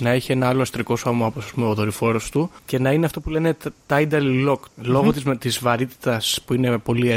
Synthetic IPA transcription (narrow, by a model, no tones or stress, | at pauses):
nɐeçie̞nɐɐlo̞ɐst̪ɾiko̞somɐoposɐspume̞oðo̞ɾifo̞ɾo̞st̪uce̞nɐineɐft̪o̞pule̞ne̞t̪t̪ɐid̪ɐlilo̞klo̞ɣot̪izt̪izvɐɾit̪i̥t̪ɐspuine̞po̞li